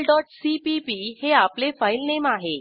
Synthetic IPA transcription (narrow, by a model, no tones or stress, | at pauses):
lɖɔʈsipipiheaplefailnemaɦe